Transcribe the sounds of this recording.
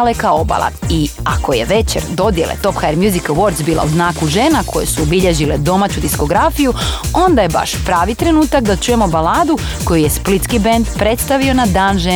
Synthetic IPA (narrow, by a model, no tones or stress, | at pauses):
lekao̞ba̰lˠa̰iako̞je̞ʋe̞t͡ɕeɾd̪o̞d̪je̞lḛt̪o̞pxajɾmjuzikawo̞ɾt̪sbiːlˠa̰uznaːkuʒeːnakʰo̞je̞̰suobiʎe̞ʒile̞d̪o̞mat͡ɕud̪isko̞ɡɾafijuo̞nd̪aje̞ba̰ʃpɾaːʋit̪ɾe̞nuːt̪akd̪at͡ʃuje̞mo̞balaːd̪u | ko̞juje̞split̪skibend̪pɾe̞t̪st̪aʋio̞nad̪aːnʒe